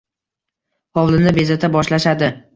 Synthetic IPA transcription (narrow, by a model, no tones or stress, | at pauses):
ɒwlˠɪnɪbe̞zat̪ʰabɒʃlaʃad̪ɪ